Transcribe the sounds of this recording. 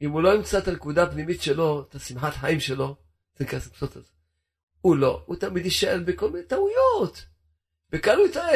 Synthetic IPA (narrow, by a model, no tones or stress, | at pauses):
imuloaimkt͡sat̪anekud̪apnimit̪ʃelo̞et̪asimħat̪ħaimʃelo̞ | zenkassot̪aze | ulout̪amid̪iʃaʔelbeko̞lminet̪aujot̪ | b̥ekalujt̪ae